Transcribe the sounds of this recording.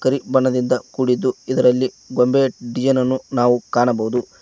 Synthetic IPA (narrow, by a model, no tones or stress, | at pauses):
kɐɾibɐɳnːɐd̪ind̪ɐkuːɽid̪ːuid̪ɐɾɐlːi | ɡombeːɖid͡ʒɐnɐnːunaːʋukaːɳɐbɐʋud̪u